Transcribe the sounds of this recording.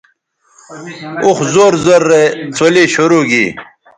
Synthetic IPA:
uxzoːɾzoɾːet͡sʰoleɕoɾoɡḭː

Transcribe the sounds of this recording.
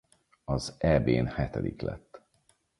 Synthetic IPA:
ɒzɛbeːnhɛt̪ɛd̪iklɛt̪ː

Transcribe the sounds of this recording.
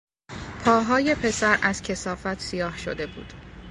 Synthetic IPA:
pʰɒːɦɒːje̞pʰe̞sæɾæz̥cʰe̞sɒːfæt̪ʰsijɒːhʃod̪e̞bṵːd̪̥

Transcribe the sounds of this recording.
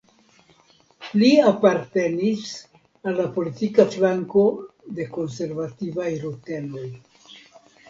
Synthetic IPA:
liapaɾte̞nis | alːapo̞litikaflaŋko̞de̞ko̞nse̞ɾvativajɾute̞lo̞j

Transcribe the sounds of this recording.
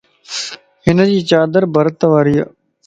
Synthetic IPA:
ɦɪnəd͡ʑiːt͡ɕaːd̪əɾbʱəɾt̪əʋaːɾija

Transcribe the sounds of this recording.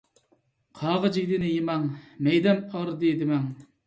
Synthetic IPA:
qʰɑːʁəd͡ʒɪɡʲd̪ɪnɪjimɑŋmɛjd̪ɛnɑɾd̪ed̪ɪmɛŋ

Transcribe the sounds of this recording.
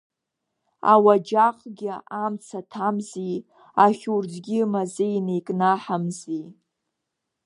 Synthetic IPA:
a̰wad͡ʒaqʼɡʲɪamt͡sʰatʰamzi | aχʲurd͡zɡʲɪmazɨjnejkʼnaħamzi

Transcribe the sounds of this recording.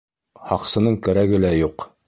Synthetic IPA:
hɑqsɤ̆nɤɴkæɾæɡɘlæjuq

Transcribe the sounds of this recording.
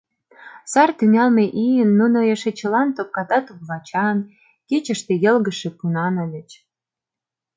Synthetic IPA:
sɑrt̪yŋɑlmeʔijənːunojeʃĕt͡ɕə̆lɑnt̪op̚kɑt̪ɑt̪uɣβɑt͡ɕɑn | kit͡ɕə̆ʃt̪ĕjə̆lɣə̆ʃĕpunɑnə̆lʲə̆t͡ɕ

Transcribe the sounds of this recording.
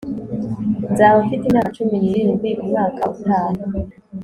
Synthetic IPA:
nzaːβafitinat͡ʃuminiɾiniɡiɾuŋŋaːkʰa̰βutʰaːnu

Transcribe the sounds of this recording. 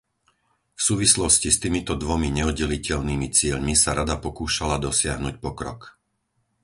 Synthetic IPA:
fsuːʋislɔscist̪iːmit̪ɔd̪ʋɔmiɲɛɔd̪̚ɟɛlicɛʎniːmit͡sɪɛʎmisaɾad̪apɔkuːʃalad̪ɔsɪaɦnucpɔkɾɔ̰k

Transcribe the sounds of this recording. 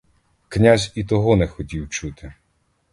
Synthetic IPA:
knʲazʲit̪ɔɦɔnɛxɔtʲiwt͡ʃut̪ɪ

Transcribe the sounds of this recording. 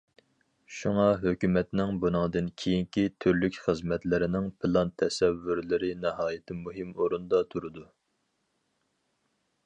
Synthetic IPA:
ʃuŋɑɦøkʲymɛt̪nɪŋbunɨŋd̪ɨnkʲʰejiŋkʲit̪ʰyɾlykʲχəzmɛt̪lɪɾɪnɪŋpɨlˠɑnt̪ʰɛsɛvːyɾlɪɾɪnɛɦɑːjɪt̪ʰɪmuɦɪmoɾund̪ɑt̪ʰuɾɨd̪u

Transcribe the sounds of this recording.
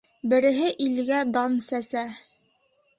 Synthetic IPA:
bɘ̆ɾɘ̆ɦɘʔilɡæd̪ɑnsæsæ

